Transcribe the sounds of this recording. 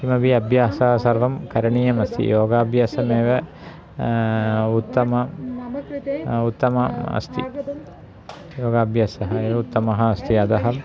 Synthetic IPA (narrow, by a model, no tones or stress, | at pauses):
kimɐbiɐbʱjaːsaːsɐɾʋɐmkɐɾɐɳiːjɐmɐst̪ʰḭjʔoːɡaːbjaːsɐmeːʋɐ | ut̪ːɐmɐ | ut̪ːɐmɐɐ̰st̪ʰḭ | joːɡaːbʱjaːsɐɦɐeːʋɐut̪ːɐmɐɦɐːst̪ʰiɐd̪ɐɦɐm